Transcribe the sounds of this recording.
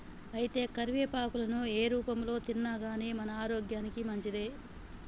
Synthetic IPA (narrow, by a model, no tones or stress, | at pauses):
ɐjit̪e̞ːkɐɾʋeːpaːkulɐnueːɾuːpɐmlo̞ːt̪inːaɡaːneːmɐnɐaːɾoːɡjaːnikimɐɲt͡ʃid̪e̞ː